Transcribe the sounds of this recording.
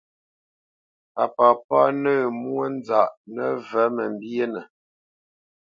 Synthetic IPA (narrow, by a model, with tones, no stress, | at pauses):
a˨pa˨pa˦nə˦˨mwə˦n˦d͡za˨ʔnə˦və˨˦mə˨m˨bje˦nə˨